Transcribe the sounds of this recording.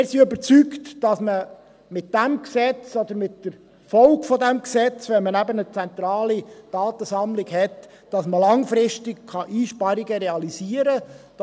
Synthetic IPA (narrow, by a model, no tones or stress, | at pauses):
ɪɾsiøbəɾt͡syktd̥ɑsmə | mɪt̚d̥æmksɛt͡sɔd̪əɾmɪtdəɾ | fɔlkfɔd̪æmksɛt͡sʋɛnmənæbənət͡sænt̪ɾɑːlid̥ɑːt̪əsɑmlɪkhɛt | d̥ɑsməlɑŋfɾɪʃtɪkkɑʔiːʃpɑɾiɡəɾɛɑlisiəɾəd̥